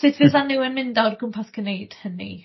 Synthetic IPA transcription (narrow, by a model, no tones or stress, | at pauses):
sɪtvɪðanːɪwənmɪndɔrɡʊmpʰaθɡ̥ənejd̥hənḭ